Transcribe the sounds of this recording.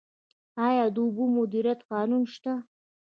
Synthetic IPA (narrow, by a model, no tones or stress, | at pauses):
ɑjɑd̪əʊbumʊd̪iɾjat̪qɑnunʃt̪a